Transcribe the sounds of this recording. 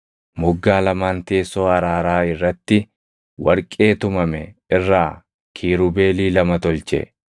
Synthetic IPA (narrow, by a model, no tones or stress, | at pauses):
mʊɡːaːlɐmaːnt̪e̞ːso̞ːɐɾaːɾaːɪrːɐt̪ːɪ | wɐɾkʼe̞ːt̪ʊmɐmɛɪrːaː | kʰiːɾʊbe̞ːliːlɐmɐt̪ɔlt͡ʃɛ̰